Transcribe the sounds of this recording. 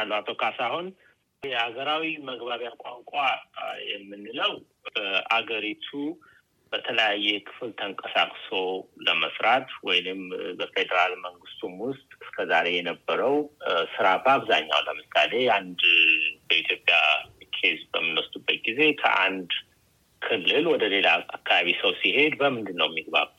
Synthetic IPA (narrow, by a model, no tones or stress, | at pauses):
nat̪ʰo̞kʰasahun | jɛhaɡəɾawiməɡbaβjakʼaŋkʷʼajɛmːɨnːɨləw | əʔaɡəɾit̪ʰu | b̥ət̪ʰələjajːɛkʰɨ̥flt̪ʰəŋkʼəsakʼso̞ləməsɾat̪wɔjnɨmbəfe̞d̪əɾalməŋɡɨst̪ʼumwʊst̪ʼɨskʰəzaɾe̞jɛnəbːəɾəwsɨɾat̪aβza̰ɲːa̰wləmɨsale̞and̪bəʔit̪ʰjo̞pʼːjakʰezbəmːɨnwɔst̪ʼubːət̪̚ɡize̞kʰə̰ʔa̰nd̪ | kʰɨlːɨlwɔd̪əle̞laakːaβaβisəwsihe̞d̪bəmɨnd̪ɨnːəwjɛmːiɡβa̰β